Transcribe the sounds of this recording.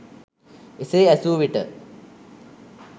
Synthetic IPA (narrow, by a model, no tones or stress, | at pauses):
eseæsuːʋiʈə